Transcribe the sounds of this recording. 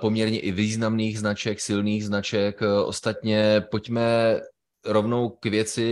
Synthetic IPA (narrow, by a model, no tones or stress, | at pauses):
po̞mɲɛɾɲɛʔɪviːznamniːɣznat͡ʃɛksɪlniːɣznat͡ʃɛkʔo̰st̪at̪ɲɛpo̞cmɛ | ɾo̞vno̞wkvjɛt͡sɪ